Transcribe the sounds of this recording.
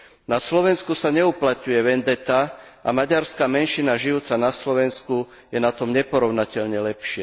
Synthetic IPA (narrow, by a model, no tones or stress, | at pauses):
naslɔʋɛnskusaɲɛuplat̪ɲujɛʋɛnd̪ɛt̪aamaɟaɾskaːmɛnʃinaʒijuːt͡sanaslɔʋɛnsku | jɛnat̪ɔmɲɛpɔɾɔʊnacɛʎɲɛlɛpʃɪɛ